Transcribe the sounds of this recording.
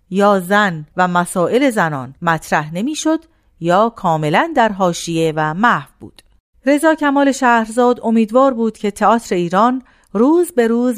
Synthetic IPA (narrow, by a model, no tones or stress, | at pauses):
jɒːzænvæmæsɒːʔe̞le̞zænɒ̰ːnmæt̪ʰɾæhnemiːʃo̞d̪̥ | jɒːkʰɒːme̞lænd̪æɾɦɒːʃije̞væmæhhvb̥ṵːd̪̥ | ɾe̞zɒːkcʰæmɒːle̞ʃæːhɾzɒːd̪o̞miːd̪vɒːɾbuːd̪̥cʰe̞t̪ʰeɒːt̪ʰɾe̞iːɾɒːn | ruːzbe̞ɾuːz